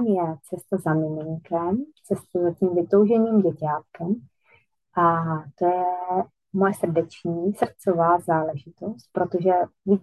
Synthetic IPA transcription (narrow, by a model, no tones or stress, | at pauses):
mjɛt͡sɛst̪azamɪmɪŋkɛmt͡sɛst̪azaciːmvɪt̪owʒɛɲiːmɟɛcaːt̪̚kɛm | ʔat̪ojɛ | mojɛsr̩dɛt͡ʃɲiːsr̩t͡sovaːzaːlɛʒɪt̪o̞st̪̚pɾo̞t̪oʒɛvi